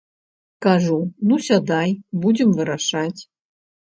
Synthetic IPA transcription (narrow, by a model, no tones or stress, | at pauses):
kaʐunusʲad̪ajbud͡zʲɛmvɨɾaʂat͡sʲ